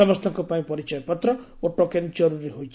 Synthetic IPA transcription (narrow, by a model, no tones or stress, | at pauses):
ʌmʌst̪ʰɔkopaĩpʌɾit͡ʃʌjpʌt̪ɾʌ | oʈːokend͡ʒʌɾuɾiɦojt͡ʃʰ